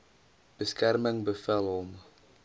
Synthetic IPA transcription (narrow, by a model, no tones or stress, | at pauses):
b̥əskærməŋbəfɛlɦɔm